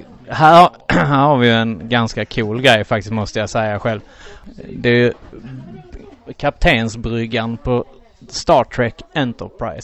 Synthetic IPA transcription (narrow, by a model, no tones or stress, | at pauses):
hæːɾhæːɾhaɾvɪjɵɛnɡanskakʰuːlɡɾɛjːfak̚t̪ɪ̥st̪mɔst̪əjasɛjːaɧɛlv | d̪ɛæjɵ | kʰap̚t̪ʰeːnsbɾʏɡanpʰɔ | st̪ɑːʈʰɾɛkɛnt̪əɾpʰɾa̰ɪs